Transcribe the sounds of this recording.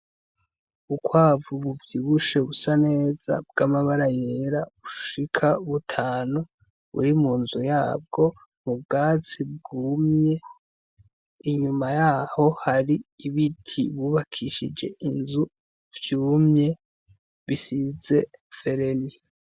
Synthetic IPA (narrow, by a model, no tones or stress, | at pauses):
ukwaːvuβuvjiβuʃe̞βusane̞ːza̰b̚ɡamaβaɾajeɾaβuʃikʰauβutʰaːnu | βṵɾimuːnzujaːb̚ɡo̞ | mub̚ɡaːt͡sib̚ɡuːmɲe̞ | iɲumajaho̞haɾiiβitʰiβuːβakʰiʃḭd͡ʒe̞̰ʔinzu | vjuːmɲe̞ | βisize̞fe̞ɾe̞ni